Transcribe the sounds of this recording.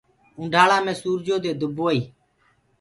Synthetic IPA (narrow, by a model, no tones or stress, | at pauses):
ʊ̃ːɳɖʱaːɭãːmẽːsuːɾd͡ʒoːd̪eːd̪ʊboːiː